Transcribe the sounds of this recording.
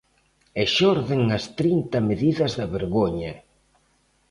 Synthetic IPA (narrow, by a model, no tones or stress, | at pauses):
eʃɔɾðeŋɐst̪ɾint̪ɐmeðiðɐzðɐβeɾɣoɲɐ